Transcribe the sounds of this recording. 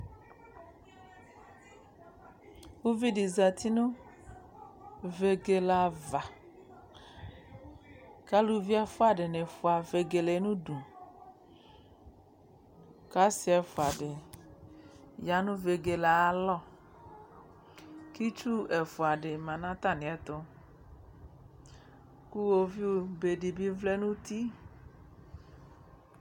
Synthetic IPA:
wu˦vi˦di˨za˨t̪ʰi˦nʊ̃˦ | ve˨ɡe˨la˨va˨ | ka˦lu˦vi˦a˦fʊ˦a˨ɖɪ˨ne˨fʊ˨a˨ve˨ɡe˨le˨˦nũ˦du˨ | ka˦si˦ɛ˨fo˨a˨ɖe˨ | ja˨˦nũ˦ve˨ɡe˨la˨a˦lɔ˦ | ki˦t͡ʃu˦e˨fo˨a˨ɖe˨mã˨nã˦t̪a˦˨nẽ˨ɛ˦t̪o˦ | ku˦wo˦vi˦wo˦be˨ɖi˨bi˦vle˦nũ˦t̪i˦

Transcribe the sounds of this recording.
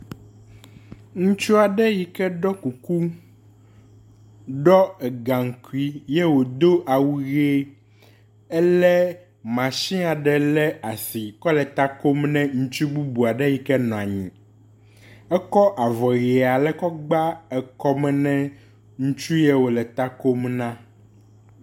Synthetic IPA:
ŋũ˦t͡ʃu˦a˨ɖɛ˦ji˨kɛ˦ɖɔ˦ku˨ku˦ | ɖɔ˦ɛ˨ɡã˨ŋ̩˨ku˦i˦jɛ˦wo˨d̪o˦ʔa˨wu˦ɣe˦ | ɛ˦lɛ˦ | mã˨ʃĩ˦a˨ɖɛ˨lɛ˦a˨si˨kɔ˦lɛ˨t̪a˦ko˦mnɛ̃˦ŋũ˦t͡ʃu˦bu˦bu˨a˨ɖɛ˦ji˨kɛ˦nɔ̃˨a˨ɲḭ̃˨ | ɛ˦kɔ˦ʔa˨vɔ˨ɣi˨a˨lɛ˦kɔ˦ɡ͡ba˦ɛ˨kɔ˦mɛ˦nɛ̃˦ | ŋũ˦t͡ʃu˦jɛ˦wo˨lɛ˨t̪a˦ko˦mnã˦

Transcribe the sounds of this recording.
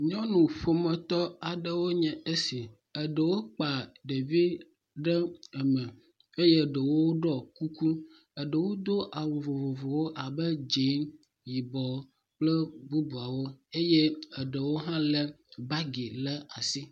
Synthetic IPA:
ɲɔ̃˦nũ˨ɸo˨mɛ̃˨t̪ɔ˦a˨ɖə˦wo˦ɲɛ̃˨e˦si˨ | ə˨ɖə˨wo˦k͡pa˨ɖe˨vi˦ | ɖɛ˦ə˨mɛ̃˨ | e˦je˦˨ɖə˨wo˦wo˦ɖɔ˦ku˦ku˦ | ə˨ɖə˨wo˦d̪o˦ʔa˨wo˨vo˨vo˨vo˨wo˦ʔa˨bə˦d͡ʒe˨˦n | ji˨bɔ˨ | k͡plə˦bu˦bu˨a˨wo˦e˦je˦ə˨ɖə˨wo˦ɦã˦lɛ˦ | ba˦ɡi˨lɛ˦a˨si˦

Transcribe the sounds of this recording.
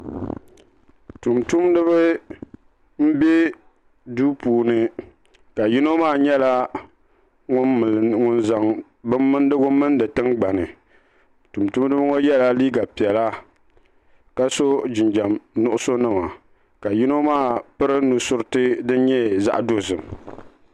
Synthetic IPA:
tu˨mtu˦mnɨ˦βɨ˦ | m̩˦bɛ˦ | duː˦puː˨nɨ˨ | ka˨ji˦no˦maː˦˨ɲɛ˦la˦ | ŋʊ˦˨ŋʊ˨nza˨ŋ | bɨ˦mːɨ˦n˦dɨ˦ɡʊ˦mɨ˦ndɨ˨tɨ˦ŋɡ͡ba˨nɨ˨ | tu˨mtu˦mdɨ˦bŋo˦jɛ˦la˦liː˦ɡa˨pi˨ɛ˨la˦ | ka˦so˦d͡ʒɪ˨nd͡ʒa˨mnʊ˦ʔʊ˦so˦nɨ˦ma˨ | ka˨ji˦no˦maː˦˨pɨ˦ɾɨ˦nu˨sʊ˦ɾɨ˦tɨ˦dɨ˦ɲɛ˦za̰˦ʔdo˦zɨ˨m

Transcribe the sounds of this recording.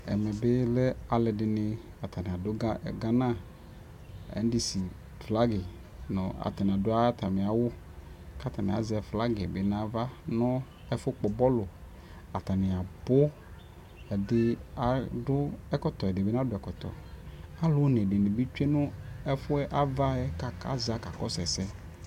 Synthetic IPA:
ɛ̰˨mɛ˨be˦lɛ˦a˨lɛ˨ɖɪ˨nɪ̃˨ | a˨t̪ʰa˨nɪ̃˨a˨dʊ˦ɡa˦ɛ̰˨ɡa˦nã˦ | ɛ̰˨n˦dɪ˨si˨ | fla˦ɡɪ˨ | nɔ̰̃˨a̰˨t̪a˨nɪ̃˨a˨dʊ˦a˦t̪a˨mẽ˨a˨wʊ˦ | ka˦t̪a˨nɪ̰̃˨a̰˨zɪ˨ɛ˨fla˦ɡɪ˨be˦nã˦va˦nɔ̃˦ | ɛ˦fʊ˦k͡pɔ˨bɔ˦lʊ˨ | a˨t̪a˨nɪ̃˨a˨bʊ˦ | ɛ˨dɪ˨a˨dʊ˦ɛ˦kɔ˦t̪ɔ˨ɛ˨dɪ˨be˦nã˦dʊ˦ɛ˨kɔ˨t̪ɔ̰˨a˦lʊ˨˦ne˨ɖɪ˨nĩ˨bi˦t͡ʃu˦e˦nʊ̃˦ɛ˦fʊ˦ɛ˦ʔa˦va˦ɛ˦ka˨ka̰˦za˨˦ka˨kɔ˦sɛ˨sɛ˦

